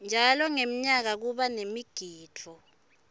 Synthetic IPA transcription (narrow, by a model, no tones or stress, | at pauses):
nd͡ʒʱalɔŋem̩ɲak̬ak̬uɓanemiɡ̥ʱiːtʰɔ